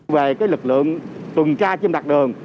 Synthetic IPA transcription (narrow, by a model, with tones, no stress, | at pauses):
ve˨˩kaː˨˦jlɨ˨˩k̚lɨ̰˧˨əŋt̪wə˨˩ŋt͡ɕaː˧t͡ɕi˧mɗa˨˩k̚ɗɨ˨˩əŋ